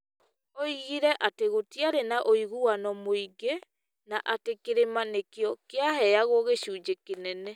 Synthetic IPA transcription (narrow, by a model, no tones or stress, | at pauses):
oiɣiɾɛʔateɣotiaɾenaʔoiɣuanɔmoiɡe | naʔatekeɾemanekeɔkeaɦɛaɣoɣeɕuːd͡ʒekenɛnɛ